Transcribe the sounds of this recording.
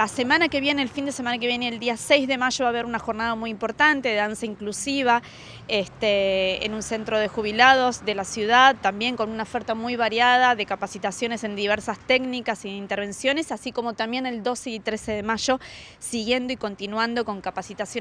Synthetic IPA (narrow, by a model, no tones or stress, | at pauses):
lase̞manake̞βjeneːlfind̪esemanakeβjeneːld̪iasejzðe̞maʒo̞βaːβ̞e̞ɾunaxo̞ɾnaðamujimpo̞ɾt̪ant̪e̞ðeðansaiŋklusiβ̞a | est̪eḛnũnse̞nt̪ɾo̞ð̞exuβ̞ilað̞o̞zðe̞lasjuðaðt̪ambje̞ŋko̞nunaofeɾt̪amujβaɾjað̞aðe̞kapasit̪asjo̞ne̞se̞nd̪iβ̞eɾsast̪eknikasieint̪eɾβ̞e̞nsjo̞ne̞sasiko̞mo̞t̪ambje̞ne̞ld̪o̞seit̪ɾese̞ðemaʒo̞ | siɣje̞nd̪o̞iko̞nt̪inwand̪o̞ko̞ŋkapasit̪asjo